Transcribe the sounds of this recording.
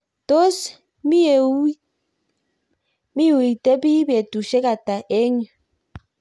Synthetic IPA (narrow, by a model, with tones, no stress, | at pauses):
t̪o˦s | mi˦˨˦ | mi˦u˨i˨te˦bi˦be˨tu˨ʃe˦ka˨ta˨ʔe˦ɲo˨